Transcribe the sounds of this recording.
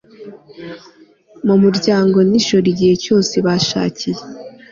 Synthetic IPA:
mumuɾɟaːŋɡo̞niʃo̞ɾiɟihe̞co̞ːse̞βaʃa̰ːcije

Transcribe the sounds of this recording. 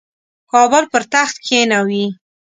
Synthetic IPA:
kɑbʊlpəɾt̪axt̪kʰenawi

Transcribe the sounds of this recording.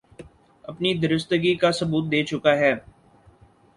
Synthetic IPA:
ɐpnid̪ɐɾɪst̪əɡikasɐbuːt̪̚d̪eːt͡ʃʊkaɦɛː

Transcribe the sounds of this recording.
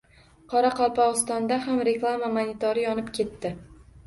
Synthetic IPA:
qʰɒɾaqʰɒlˠpɒɨst̪ɒnd̪ahamɾe̞klˠamamanit̪ʰoɾɪjɒnɪpkʲʰe̞t̪ːɪ

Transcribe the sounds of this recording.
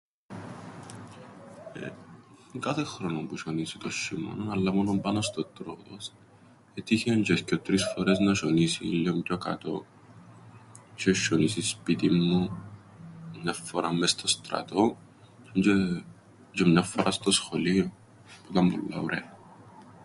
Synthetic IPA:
ḛ | kɐθexɾonompuʃonisit̪oʃːimɐ̰nonɐlːɐmonompɐnost̪ot̪ɾot̪os | et̪içiɐɲd͡ʒescot̪ɾisfoɾeznɐʃonisiḭlːomcokɐ̰t̪o̞ | t͡ʃeʃonisispit̪imːu | mɲɐfːoɾɐmːest̪o̞st̪ɾɐ̰t̪o̞ | ɲd͡ʒe | d͡ʒemɲɐfːoɾʔɐst̪osxolio | put̪ɐmbṵlːɐ̰uɾḛ

